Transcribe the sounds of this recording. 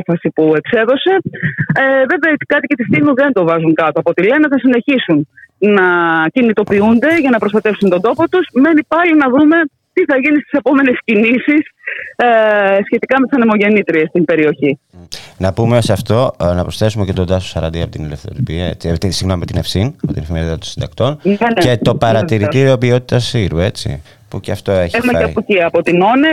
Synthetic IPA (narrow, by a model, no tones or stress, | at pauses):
fɐsipue̞kse̞ðo̞se̞ | ve̞veɐt̪kɐt̪icet̪ist̪inuðe̞nt̪o̞vɐzuŋkɐt̪oɐpot̪ileneθɐsine̞çisunnɐcinit̪o̞piund̪e̞ʝɐnɐpɾost̪ɐt̪e̞fsunt̪o̞nd̪o̞po̞t̪usme̞nipɐlinɐðume̞ | t̪iθɐʝinist̪i̥sepo̞me̞ne̞scinisis | sçe̞t̪ikɐmet̪isɐnemo̞ʝe̞nit̪ɾiest̪imbe̞ɾio̞çi | nɐpumesɐft̪o̞nɐpɾosθe̞sumecet̪od̪ɐso̥sɐɾɐ̰nd̪iɐpot̪inilefθo̞̰ɾipiɐḛt͡sit̪isiɣnommet̪inefsinɐpot̪inefimet̪it̪ɐt̪osind̪ɐkt̪o̞net̪o̞pɐɾɐt̪iɾit̪iɾio̞pio̞t̪i̥t̪ɐsiɾue̞t͡sḭ | puceɐft̪o̞eçexumɐeɐuciɐpo̞t̪ino̞ne